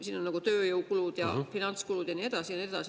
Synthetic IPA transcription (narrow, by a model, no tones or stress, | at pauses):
siːnonekot̪øːjoukuluˑt̪jɑ̰finɑnt̪skuluˑt̪jɑniet̪ɑˑsijɑniet̪ɑˑsi